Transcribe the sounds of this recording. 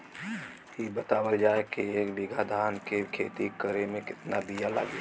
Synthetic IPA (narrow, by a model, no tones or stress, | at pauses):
ibət̪aːwəld͡ʒaːekieːkbɪɡad̪ʱaːnkekʰeːt̪ikəɾemẽkɪt̪nabijala̰ːɡe